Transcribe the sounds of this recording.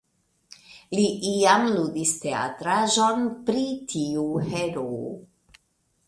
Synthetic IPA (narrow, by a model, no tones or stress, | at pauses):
liʔiamludistea̰tɾaʒo̞npɾitʰiuheɾo